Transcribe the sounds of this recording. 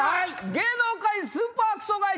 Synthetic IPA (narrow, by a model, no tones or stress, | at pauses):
ɡenokaisɨ̃paːkɯ̥soɡai